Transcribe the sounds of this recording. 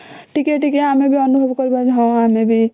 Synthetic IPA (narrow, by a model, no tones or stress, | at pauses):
ʈʰikeʈikeɦamebʱiənubʱəbkəɾbad͡ʒɦɔ̃amebʱi